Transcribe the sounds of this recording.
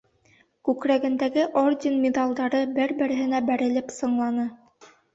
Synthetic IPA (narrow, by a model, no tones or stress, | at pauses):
kʉkɾæɡɘ̆nd̪æɡɘʔordʲɪnmʲed̪ɑlˠd̪ɑɾɤbɘɾbɘ̆ɾɘ̆ɦɘ̆næbæɾɘ̆lɘpsɤ̆ɴlˠɑnɤ